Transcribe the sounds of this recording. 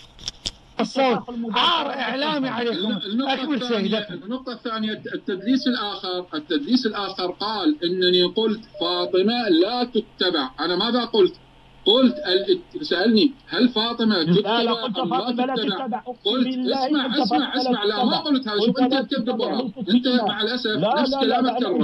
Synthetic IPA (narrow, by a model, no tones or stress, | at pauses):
sˤ | ɾʔɪʕlaːmiʕaenːʊt̪ˤɑːaːnjanːʊq̚t̪ˤɑθːaːnɪjaɪt̪ːad̪ɾiːsɪlʔaːxɪɾʔɪt̪ːad̪ɾiːsɪlʔaːxɨɾˤqɑːlʔɪnːaniqʊlt̪fɑːt̪ˤɨmalaːt̪ʊt̪ːabɪʕʔanamaːðaqʊlt̪ | qʊlt̪ʔalsaʔalnihalfɑːt̪ˤɨmat̪ʊt̪ːabaʕʔamlat̪ʊt̪ːabaqʊlt̪ʔasmaʕʔasmaʕʔasmaʕlamaqʊlt̪haːðaʃufʔɪnt̪at̪̚t̪ab̪ːɪbaʕaʔɪnt̪amaʕalʔasafnafskalaːmaɑɾˤ